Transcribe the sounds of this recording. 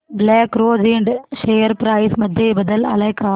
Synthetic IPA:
blaːkɾoːd͡ʒiːɳɖʃeːjɐɾpɾɐːɪsmɐd̪ʱːjebɐðɐlɐ̰lɐɪkːaː

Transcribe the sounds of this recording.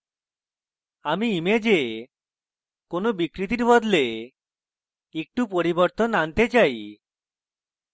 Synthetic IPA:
amiimed͡ʒe | konobikɾit̪iɾbɔd̪le | ek̚ʈup̬oɾibɔɾt̪ɔnant̪et͡ʃaj

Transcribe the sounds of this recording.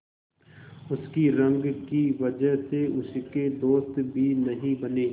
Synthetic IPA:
ʊskiɾɐ̃ŋɡkiʋɐd͡ʒəɦseʊsked̪oːst̪bʱinɐɦĩbɐneː

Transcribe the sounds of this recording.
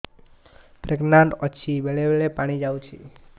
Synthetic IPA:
pɾeɡnaɳʈɔt͡ʃʰibeɭeʋeɭepaɽ̃id͡ʒaũt͡ʃʰḛ

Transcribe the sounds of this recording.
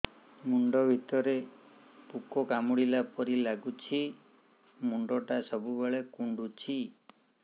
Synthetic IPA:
muɳɖɔbʱit̪ɔɾe | pukɔkamuɽilapɔɾilaɡut͡ʃʰi | muɳɖɔʈasɔbʱubeɭekuɳɖut͡ʃʰi

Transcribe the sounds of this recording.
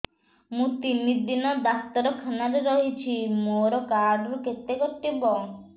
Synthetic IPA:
mũt̪inid̪inɔd̪ast̪ɔɾɔkʰanaɾeɾɔɦit͡ʃʰimoɾɔkaɾɾuket̪eɡɔʈːibɔ

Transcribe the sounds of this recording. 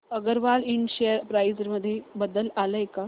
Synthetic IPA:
əɡəɾʋalinɕeəɾpɾajd͡zəɾməd̪ʱːjebəd̪əlaləeka

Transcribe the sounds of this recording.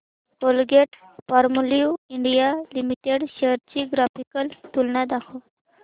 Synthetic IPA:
kolɡeʈ̚ | fɔɾmliuiɳɖijalimiʈeɽɕeɾt͡ɕiɡɾafikəlt̪ulnad̪akʰɔ

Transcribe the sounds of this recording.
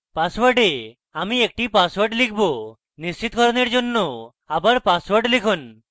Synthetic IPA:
paswaɾɖe | amiek̚ʈipaswaɾɖlikʰbo | nist͡ɕit̪ɡʱɔɾɔneɾd͡ʑonːo | abaɾpaswɔɾɖlikʰun

